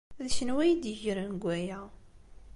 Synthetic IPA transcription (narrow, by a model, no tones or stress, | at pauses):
ðʃənwæjd̪əʝəɾənɡʷæjæ